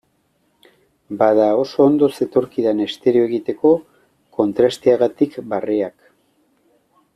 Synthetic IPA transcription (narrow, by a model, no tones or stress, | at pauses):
baðao̞so̞nd̪o̞se̞t̪o̞ɾkiðane̞st̪e̞ɾio̞eɣit̪e̞ko̞ | ko̞nt̪ɾast̪iaɣat̪ikbareak